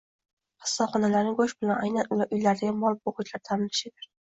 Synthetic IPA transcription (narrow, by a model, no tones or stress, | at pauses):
qɨ̥sːaχɒnalaɾnɪɡoʃbɪlanajnanʔʊjlaɾd̪aɡʲanbɒlˠɪp̚boqʊt͡ʃlaɾt̪ʰanɪlɪʃɪd̪ɪɾ